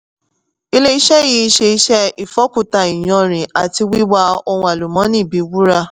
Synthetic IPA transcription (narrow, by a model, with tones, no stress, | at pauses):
i˦le˦i˦ʃɛ˦ji˧˦i˧˦ʃe˧i˦ʃɛ˦i˨fɔ˨˦ku˨ta˨i˨j̃ɔ̃˧ɾ̃ĩ˨a˨ti˧wi˦wa˦o˧wũ˧a˨lu˨mɔ̃˨˦nĩ˦˨bi˨˦wu˦ɾa˦